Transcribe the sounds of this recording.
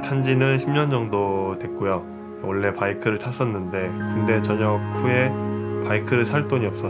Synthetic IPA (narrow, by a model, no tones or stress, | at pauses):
tʰand͡ʑinɯnɕʰimɲʌnd͡ʑʌŋdotwe̞k̚k͈ojo | ʌɭːe̞paikʰɯɾɯɭtʰas͈ʌnːɯnde̞kɯnde̞t͡ɕʌɲʌkkʰuje̞paikʰɯɾɯɭsʰaɭt͈oɲiʌp̚s͈ʌ